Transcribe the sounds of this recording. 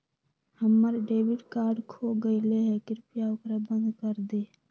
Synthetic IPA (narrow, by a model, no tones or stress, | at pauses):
həmːəɾɖeːbɪɖkaːɾɖkʰoɡəɪleɦɛkɪɾpjaʊkɾabə̃nd̪kəɾd̪e